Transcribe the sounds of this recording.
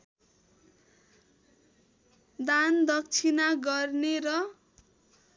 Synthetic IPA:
d̪and̪ʌk̚t͡sʰinaɡʌrneɾʌ

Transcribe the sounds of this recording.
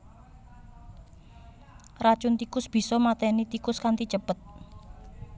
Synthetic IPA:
rat͡ʃʊnt̪ikʊsb̥i̤sɔmat̪ɛnit̪ikʊskant̪it͡ʃəpət̪̚

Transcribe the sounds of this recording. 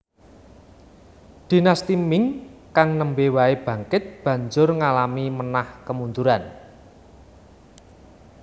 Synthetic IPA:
d̪̥i̤nast̪imɪŋkaŋnəmbewaeb̥ä̤ŋkɪt̪̚b̥ä̤ɲd͡ʒʊrŋalamimənahkəmund̪uɾan

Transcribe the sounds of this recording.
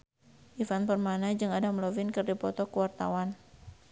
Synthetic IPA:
ʔifanpərmanad͡ʒɨŋadamlovɪnkɨrdipɔt̪ɔkəwart̪a̰wan

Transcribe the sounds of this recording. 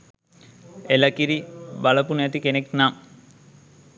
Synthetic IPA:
elɐkiɾibaləpunəjat̪ikeneknam

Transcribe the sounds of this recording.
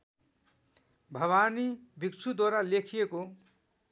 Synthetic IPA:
bʱʌwanibikt͡sʰud̪waɾalekʰijeko

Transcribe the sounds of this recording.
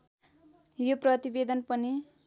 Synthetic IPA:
joprʌt̪ibed̪ʌnpʌni

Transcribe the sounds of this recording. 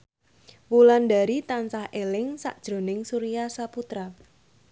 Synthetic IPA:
wulandaɾit̪ansahelɪŋsa̰ʔd̥ʒ̥ɾo̤nɪŋsuɾiasaput̪ɾa

